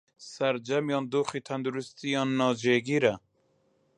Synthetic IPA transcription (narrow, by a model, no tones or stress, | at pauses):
sæɾd͡ʒɛmjɑːnd̪uːχiːt̪ʰɛnd̪uɾust̪ijɑːnːɑːd͡ʒeɡiːɾɛ